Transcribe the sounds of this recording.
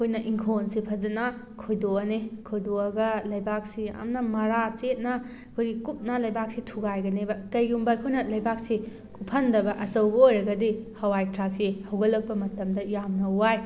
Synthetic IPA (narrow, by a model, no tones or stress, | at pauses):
ɐkʰojnɐʔiŋkʰonsipʰɐzɐnɐ | kʰojdoɐnekʰojdoɐɡɐlɐjbak̚sia̰mnɐmɐɾat͡ʃet̚nɐ | ɐkʰojɡikup̚nɐlɐjbak̚sitʰuɡajɡɐnebɐkɐjɡumbɐkʰojnɐlɐjbak̚si | kʰupʰɐndɐbɐʔɐsɐwbɐojɾɐɡɐdihɐwajtɾak̚sihɐwɡɐlːɐk̚pɐmɐtɐmdɐjamnɐwaj